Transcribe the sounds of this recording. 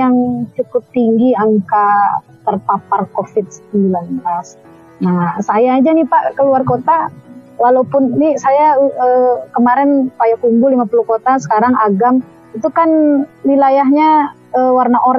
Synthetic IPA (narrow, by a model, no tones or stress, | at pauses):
jaŋt͡ʃukʊp̚t̪iŋɡiaŋka | t̪ərpaparkofɪt̪̚sə̥əmbilanblas | nasajaːd͡ʒanipaʔkəluarkot̪alalopʊnnisajaəkəmaɾɛnpajakumbʊlimapulukot̪asə̥kaɾaŋaɡam | it̪ukanwilajaɦɲa | əːwarnaʔoɾ